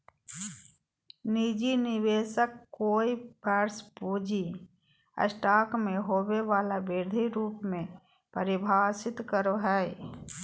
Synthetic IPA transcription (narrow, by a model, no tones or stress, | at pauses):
nid͡ʒinɪβeːʃəkːoːibɛːɾspuːd͡ʒi | ə̰sʈaːkmẽɦoːweʋaːlabɪɾd̪ʱiɾuːpmẽ | pəɾɪbʱaːsɪt̪kəɾoɦɛ